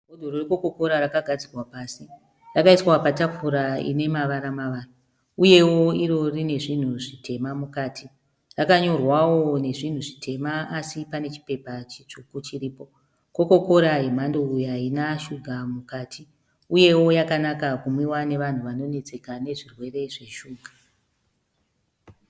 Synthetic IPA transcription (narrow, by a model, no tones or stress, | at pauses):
bʱodʱororekoko̞ko̞ɾarakaɡʱad͡zirwapaːsi | rakaiswapatafuɾaḭne̞maʋaɾamaʋaːna | uje̞wo̞iɾo̞rine̞ʐin̤uʐite̞mamukaːti | rakaɲo̞rwawo̞ne̞ʐin̤uʐitʰe̞maasipane̞t͡ʃi̥pe̞pat͡ʃit͡ʂukut͡ʃiɾiːpo̞ | ko̞ko̞ko̞ɾaem̤andoujainaʃuɡʱamukaːtʰi | uje̞wo̞jakanakakumwiwane̞ʋan̤uʋano̞ne̞t͡se̞kane̞ʐirwe̞re̞ʐe̞ʃuːɡʱa